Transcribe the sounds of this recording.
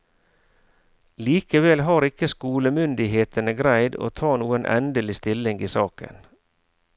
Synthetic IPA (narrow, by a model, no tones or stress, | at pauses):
liːkəʋɛlɦɑːɾɪkːəskuːləmʏnd̪ɪɦeːt̪ənəɡɾæɪd̪o̰ːt̪ʰɑːnuːənʔɛ̰nd̪əlɪst̪ɪlɪŋiːsɑːkə̰n